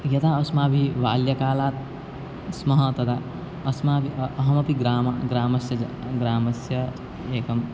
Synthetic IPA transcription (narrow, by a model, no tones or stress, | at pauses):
jɐt̪aɐsmaːbʱiʋaːljɐkaːlaːt̪̚ | smɐɦɐt̪ɐd̪a | ɐsmaːbʱiːɦɐmɐpiɡɾaːmaɡɾaːmɐsjɐ | ɡɾaːmɐsjɐ | eːkɐm